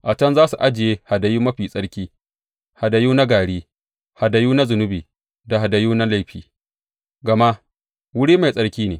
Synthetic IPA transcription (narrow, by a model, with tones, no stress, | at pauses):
ʔa˨tɐ˦nzaː˦su˨ʔa˦d͡ʒɪ˨jeː˦ha˨da˨juː˦mɐ˦ɸiː˨sʼɐ˦ɽkʲiː˦ | ha˨da˨juː˦na˦ɡaː˨ɽiː˦ | ha˨da˨juː˦na˦zʊ˨nʊ˦biː˨ | da˨ɦa˨da˨juː˦na˦la˦jɸiː˦ | ɡɐ˨ma˦ʔ | wʊ˦ɽiː˦ma˨jsʼɐ˦ɽkʲiː˦neː˨